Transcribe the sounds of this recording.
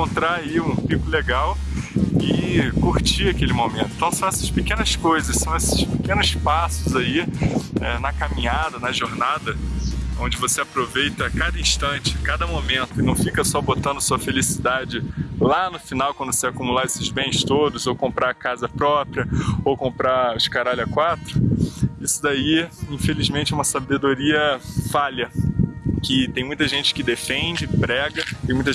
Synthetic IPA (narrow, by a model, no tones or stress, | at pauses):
kõnt̪ɾaaiũpikʊleɡaw | ɪkuɾt͡ʃiɐkelɪmomẽnt̪ʊĩt̪ɐ̃w̃sɐ̃w̃ɛsɐ̥ʃpekẽnɐskojzɐʃsɐ̃w̃esɪ̥ʃpekẽnʊspasʊzaiɛnɐkamĩɲad̪ɐnɐʒoɾnad̪ɐõd͡ʒɪvoseapɾovejt̪ɐkad̪ɐĩʃt̪ɐ̃t͡ʃɪkad̪ɐmomẽnt̪ʊɪnɐ̃w̃fikɐsɔbot̪ɐ̃nd̪ʊsuɐfelisid̪ad͡ʒɪlanʊfinawkwɐ̃nd̪ʊvoseakumulaesɪzbẽj̃st̪od̪ʊzowkõmpɾʔakazɐpɾɔpɾiɐowkõpɾaʊɪʃkaɾalɐkwat̪ɾʊisʊd̪aiĩfelizmẽnt͡ʃɪɛũmɐsabed̪oɾiɐfalɐ | kɪt̪ẽj̃mũj̃t̪ɐʒẽnt͡ʃɪ̥kɪd̪efẽd͡ʒɪpɾɛɡɐt̪ẽmũt̪